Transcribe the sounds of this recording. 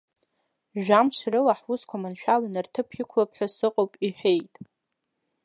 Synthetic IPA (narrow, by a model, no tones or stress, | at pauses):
ʒᶣamʂrɨlaħwʊskʷʰamanʃᶣawanɨrtʰɨpʰikʷʰlapʰħasɨqʼowpʼiħᶣe̞jtʼ